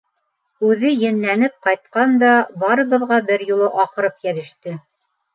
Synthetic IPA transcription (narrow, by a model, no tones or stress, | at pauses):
ʉðɘjɘ̆nlænɘp̚qɑjt̪̚qɑnd̪ɑbɑɾɤ̆βɤ̆ðʁɑbɘɾjulˠɤʔɑqɤ̆ɾɤpjæɾɘ̆ʃt̪ɘ